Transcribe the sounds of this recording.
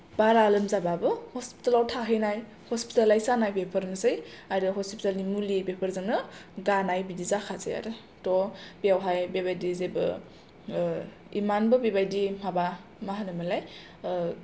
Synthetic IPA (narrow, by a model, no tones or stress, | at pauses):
baɾalɯmzababɯhɔspi̥talawtʰaɦɯjnaj | hɔspitalajsanajpepʰəɾnɯsɯjajɾɯɦɔspitalnimulibepʰəɾzaŋnɯɡanajbidizakʰazḛja̰ɾɯ | tɔbijawɦajbebajdizebɯ̰ | ḭmanbɯbebajdimabamaɦanɯmɯlaj